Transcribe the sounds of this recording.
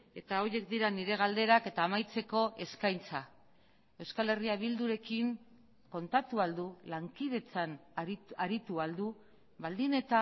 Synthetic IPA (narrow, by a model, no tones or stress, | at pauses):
e̞t̪ao̞je̞k̚d̪iɾaniɾe̞ɣald̪e̞ɾake̞t̪aːmajt͡se̞ko̞ʔe̞skajnt͡sa | e̞wskale̞riaβild̪uɾe̞kiŋ | ko̞nt̪at̪uald̪ulaŋkið̞e̞t͡sanaɾit̪uald̪u | βald̪ine̞t̪a